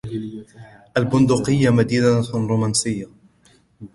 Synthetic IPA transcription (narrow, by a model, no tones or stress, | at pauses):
ʔalbʊnd̪ʊqɪjːamad̪iːd̪aɾuːmansɪjːa